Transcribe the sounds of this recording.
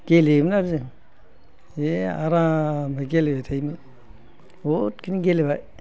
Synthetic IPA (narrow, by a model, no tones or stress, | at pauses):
ɡ̥elemnaɾzɯ | eaɾamaɡelebajtʰajmɯ | otkiniɡelebaj